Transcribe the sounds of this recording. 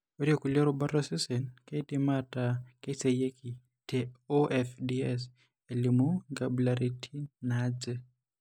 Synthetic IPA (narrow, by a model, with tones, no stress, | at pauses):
o˦ɾjɔ˨ku˨ljɔ˦ɾoba˦ɾɔ˦sɪ˦sɛ˨nke˦tima˦take˦se˨je˦ki˨ | teoʔɛfdiɛs | e˨li˨muɡablaɾi˨tʰi˦nad͡ʒɛ˦